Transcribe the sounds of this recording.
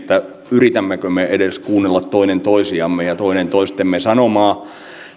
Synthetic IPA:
t̪ːæ | yrit̪æmːækømeʔedeskuːnːelːɑt̪toinent̪oisiɑmːejɑt̪oinent̪oist̪ːemːesɑnomɑː

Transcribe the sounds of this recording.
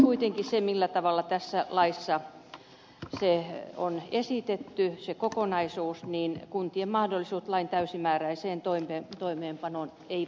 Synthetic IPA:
kuit̪eŋkisemilːæt̪ɑʋɑlːɑt̪æsːælɑisːɑ | seonesit̪et̪ːysekokonɑisuːsniːnkunt̪iemmɑhdolːˑisuːt̪lɑint̪æysimæːræiseːnt̪oimet̪oimeːmpɑnon | ei

